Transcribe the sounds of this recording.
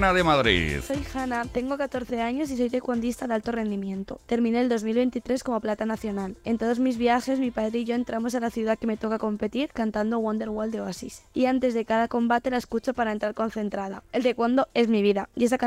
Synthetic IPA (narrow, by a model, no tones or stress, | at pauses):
naðemaðɾḭðso̞jxanat̪e̞ŋɡo̞kat̪o̞ɾθe̞aɲo̞siso̞jðe̞kwond̪ist̪aðalt̪o̞re̞nd̪imjẽ̞nt̪o̞̰t̪e̞ɾmĩneːld̪o̞zmilβe̞nt̪it̪ɾe̞sko̞mo̞plat̪anaθjo̞nale̞nt̪o̞ð̞o̞zmizβjaxe̞zmipaðɾeiʝo̞e̞nt̪ɾamo̞salaθjuðakeme̞t̪o̞kako̞mpe̞t̪iɾkant̪and̪oɣwond̪e̞ɾɣwold̪eosḭsiant̪e̞zðe̞kaðako̞mbat̪e̞lae̞skut͡ʃopaɾaent̪ɾaɾko̞nθe̞nt̪ɾaða̰e̞ld̪e̞kwond̪o̞e̞zmiβiðaje̞saka